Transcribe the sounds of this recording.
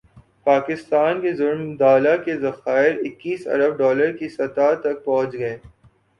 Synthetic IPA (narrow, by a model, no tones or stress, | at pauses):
paːkɪst̪aːnkezʊlmd̪aːlakezɐxaːɪɾɪkːiːsɐ̰ɾəb̚ɖɔːləɾkisɐt̪at̪ɐk̚pɔ̃ɦʊ̃t͡ʃɡɐeː